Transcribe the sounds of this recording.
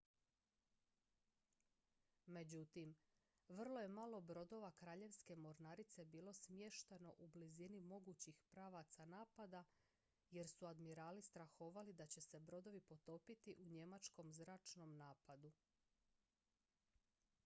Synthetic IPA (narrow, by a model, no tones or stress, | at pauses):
me̞d͡ʑut̪im | ʋr̩lo̞je̞malˠo̞bɾo̞d̪o̞ʋakɾaːʎe̞ʋske̞mo̞ɾnaɾit̪se̞biːlo̞smje̞ʃt̪eno̞ʔublizinimo̞ɡut͡ɕixpɾaːʋat̪sanaːpad̪a | je̞ɾsuad̪miɾaːlist̪ɾaxo̞ːʋalid̪at͡ɕe̞se̞bɾo̞d̪o̞ʋipo̞t̪o̞ːpit̪iʔuɲe̞mat͡ʃko̞mzɾaːt͡ʃno̞mnaːpad̪u